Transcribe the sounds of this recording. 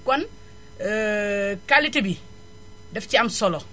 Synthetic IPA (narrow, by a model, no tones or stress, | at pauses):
kɔn | kalːitibi | dɛfciamsɔlɔ